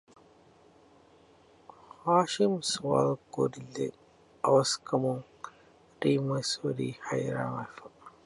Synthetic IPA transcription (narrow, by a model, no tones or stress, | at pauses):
haʃimsuwa̰lɡo̰dilːḛ | awɐskɐmuŋ | ɾimajsoɾḭhajɾa̰wafa